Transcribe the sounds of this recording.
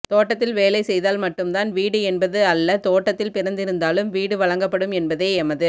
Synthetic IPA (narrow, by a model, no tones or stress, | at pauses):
t̪oːʈːɐt̪ːɪlʋeːlɐɪsɛjðaːlmɐʈːɯmt̪aːnʋiːɽɯɛnbɐðɯɐlːɐt̪oːʈːɐt̪ːɪlpɪɾɐnd̪ɪɾɯnd̪aːlɯmʋiːɽɯʋɐɭɐŋɡɐpːɐɽɯmɛnbɐðeːɛmɐðɯ